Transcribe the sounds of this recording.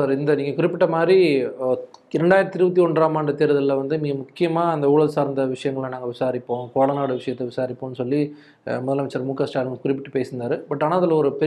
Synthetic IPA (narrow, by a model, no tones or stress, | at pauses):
saːɾɪnd̪ɐniːŋɡɐkʊɾɪpːɪʈːɐmaːd̪ɾi | ɪɾɛɳɖaːjɪɾɐt̪ːɪɾɯbɐt̪ːiɔɳɾaːmaːnd̪ɐt̪eːɾɐðɐlːɐʋɐnd̪ɯniːŋɡɐmʊkːɪjɐmaːɐnd̪ɐuːɽɐlsaːɾnd̪ɐʋɪʂɐjɐŋɡɐɭãnaːŋɡɐʋɪsaːɾɪpːõːkoːɭɐnaːɽɯʋɪʂɐjɐt̪ːɛʋɪsaːɾɪpːõːnːɯsɔlːi | mɔðɐlaʋɐt͡ʃːɐɾɐmuːkaːsʈaːlkʊɾɪp̬ːɪʈːɯpeːsɯnd̪aːɾɯbɐʈːɐnaɐðɐlːɐɔɾɯpɛ